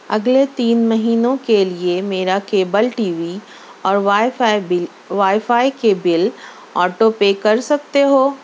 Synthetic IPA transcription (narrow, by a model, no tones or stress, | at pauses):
ɐ̰ɡlet̪iːnmɐɦiːnõkeliemeːɾakeːbəlʈiːʋi | ɔːɾ | ʋaːifaːikebɪl | ɔːʈopekɐɾsɐk̚t̪eɦoː